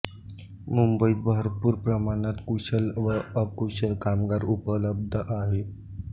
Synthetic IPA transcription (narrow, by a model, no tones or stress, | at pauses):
mumbəibəɾpuːɾpɾəmanat̪kuɕəlʋəəkuɕəlkamɡaɾupələb̚d̪ʱəʔaɦe